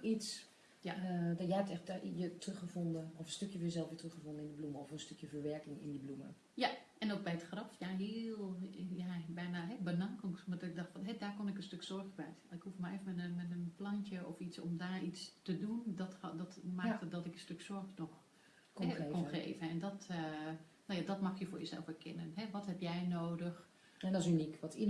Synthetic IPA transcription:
is | jadɔjəɛptɛxtjətrøxəondəɔfənstøkjəfjəzɛlˠfʋɪtrøxəfɔndənɪndəbluməɔfənstøkjəfəɹʋɛɹkɪŋɪ̰ndəblumə̰ | jaʔɛnot̚bɛjətxrɔfjaɦiəlˠjabɛjnaɦɛbənaŋkoŋsmadɪk̚dɔxtfnɦɛdaːkonɪkənstøksɔrxbɛjɪkhufmareːfəmaəmɛtənplɑntjəɔfitsɔ̰mdaːɹit͡stədundɔtdɔtmaktədɔtɪkənstøksɔɹxnɔx | kɛkɔnxḛːvəɛndɔtənowjadɔtmɑxjəfʊːɹjəzɛ̰lˠfɛɹkʰɛnənɦɛʋɔthɛpjɛjnoːdəx | dɔsynikʋɔti

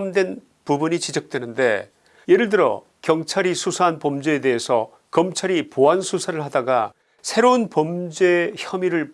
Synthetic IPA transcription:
mdwe̞n | pubuɲit͡ɕid͡ʑʌk̚t͈we̞nɯnde̞̰ | jeɾɯɭdɯɾʌ̰ | kjʌŋt͡ɕʰaɾisʰusʰaanpʌmd͡ʑeede̞ɦesʰʌ | kʌmt͡ɕʰaɾipoansʰusʰaɾɯɭhadaɡa | sʰe̞ɾounpʌmd͡ʑeçjʌmiɾɯɭ

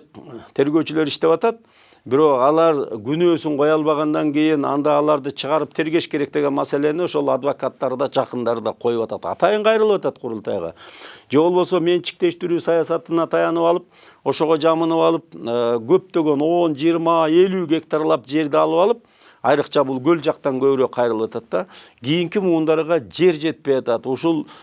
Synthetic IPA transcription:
t̪ʰe̞ɾɡø̞wt͡ʃylø̞ɾiʃt̪e̞βɑt̪ɑt̪̚ | bɪɾo̞qɑlˠɑɾɡynø̞ːsyɴqʰo̞jɑlˠβɑʁɑnd̪ɑŋkijinɑ̰nd̪ɑːlˠɑɾd̪ɯt͡ʃʰəʁɑɾɯp̚t̪ʰe̞ɾɡe̞ʃke̞ɾe̞k̚t̪e̞ɡe̞nmase̞le̞nio̞ʃo̞lˠɑd̪vakat̪ːɑɾd̪ɑd͡ʒɑqənd̪ɑɾd̪ɑqʰo̞jupɑt̪ɑt̪ɑ̰t̪ɑjɯɴqʰɑjɾɯlˠɯpwɑt̪ɑt̪qʰʊɾulˠt̪ɑ̰jʁɑ̰d͡ʒe̞wo̞lˠbo̞some̞nt͡ʃɪ̥k̚t̪e̞ʃt̪ɪɾʉsɑjɑsɑt̪ɨnɑt̪ʰɑjɑnɯpɑlˠəp̚ | o̞ʃo̞ʁod͡ʒɑmɯnɯpɑlˠəp̚ːɡʲʰø̞p̚t̪ø̞ɡʲe̞no̞nd͡ʒijəɾmɑe̞lʉɡʲe̞k̚t̪aɾlˠɑpd͡ʒe̞ɾd̪eɑlˠəpɑlˠəp̚ | ɑjɾəqt͡ʃʰɑbʊlˠɡʲɵld͡ʒɑqt̪ɑŋkʰøβɪɾøqʰɑjɾɯlˠwɑt̪ɑt̪ːɑ | ɡʲijiŋkʲimuːnd̪ɑɾʁɑd͡ʒe̞ɾd͡ʒe̞t̪̚pe̞jɑt̪ɑt̪uʃulˠ

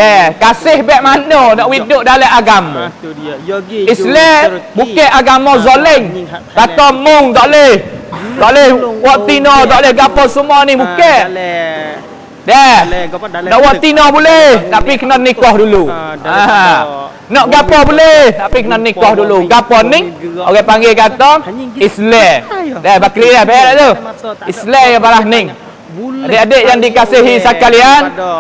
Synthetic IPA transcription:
dɛhkasɪhbɛʔmanɔnɔʔwidʊʔdalɛʔaɡamɔ | islɛbukɛʔaɡamɔzolɛŋt̪at̪ɔmʊŋd̪ɔʔlɛhd̪ɔʔlɛhwɔʔt̪inɔtd̪ɔʔlɛhɡapɔsumɔnihbukɛʔ | dɛhnɔʔwɔʔt̪inɔhbulɛhnaʔpikənɔt̚nikɔhdulua | nɔʔɡapɔbulɛhnaʔpikənɔt̚nikɔhduluɡapɔnɪŋoɡɛʔpaŋɡekat̪ɔŋislɛdɛbakɾidɛhbaalaʔt̪uislɛjapalahnɪŋ | adeʔadeʔjaŋdikasiɦisakalian

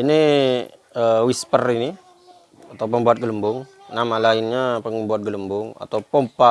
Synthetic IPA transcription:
ini | əwispərini | at̪awpəmbuat̪̚ɡələmbʊŋ | namalaɪnɲapəŋəmbuat̪̚ɡələmbʊŋa̰t̪awpompa

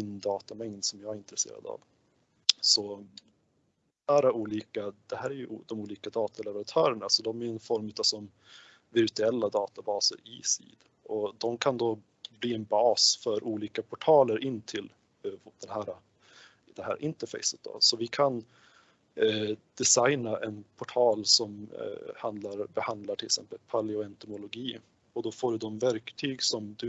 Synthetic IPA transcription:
ɪnːd̪ɑːt̪amɛŋd̪sɔmjaːɡæɾɪnt̪ɾɛsḛːɾa̰d̪a̰v | sɔ | æːɾauːliːkad̪̥ɛhæːɾæɾjɵd̪ɔmuːliːkad̪ɑːt̪alɛvəɾant̪ʰœːɾəɳasɔd̪ɔmæjɵɛnfɔɾmʉ̟ːt̪asɔm | vɪɾt̪ɵɛlːad̪ɑːt̪abɑːsə̰ɾiːsḭːd̪ | ʔɔd̪ɔmkʰand̪o | bliːɛnbɑːsfœɾʔuːliːkapʰɔʈʰɑːləɾʔɪnːt̪ʰɪl | d̪̥ɛnhæːɾa | d̪̥ɛhæ̰ːɾaʔɪnt̪əɾfɛ̰ɪsət̪̚d̪ɔ̰sɔvɪkʰan | d̪̥ɛsajnaʔɛnpʰɔʈʰɑːlsɔmhand̪laɾbɛhand̪laʈʰɪlksɛ̰mpəlpʰalɪɔɛnt̪ʊmʊlʊɡiː | ɔd̪ɔfoːɖɵd̪ɔmvæɾkt̪ʰyːɡsɔmd̪ɵ

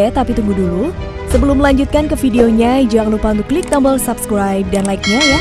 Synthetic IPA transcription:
ɛt̪apit̪uŋɡudulu | səbəlʊmːəlaɲd͡ʒut̪̚kankəfideoɲad͡ʒaŋəlupaunt̪ʊklɪk̚dambəlsabskɾajp̚danlaik̚ɲaja

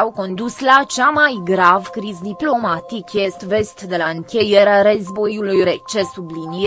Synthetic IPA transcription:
awko̞nd̪uslat͡ʃamajɡɾavkɾizd̪iplo̞mat̪ikjest̪ve̞st̪d̪e̞laɨŋkʲejeɾeaɾəzbo̞julujɾet͡ʃesublini

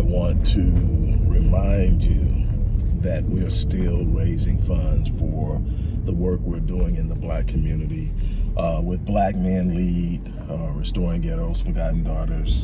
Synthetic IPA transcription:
ɪwɑ̃ntʰɨɹɪmãɪ̃ndʉ | ðɨt̚wiɹstɪlˠɹeɪzɪ̃ŋfʌ̃ndz̥fə˞ðəwɜ˞kwɪɹduɪ̃ŋɨ̃nðəblækʰmjʉnɨɾi | ʔwɪðblæk̚mæ̃nlid̥ | ɹɨstɔɹɪ̃ŋɡɛɾolˠz̥fə˞ɡɑʔn̩dɔɾə˞z̥

